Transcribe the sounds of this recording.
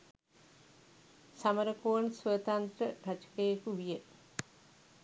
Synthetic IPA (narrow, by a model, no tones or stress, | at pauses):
saməɾəkoːnsʋət̪ant̪rəɾɐt͡ʃə̥kəjekuʋijə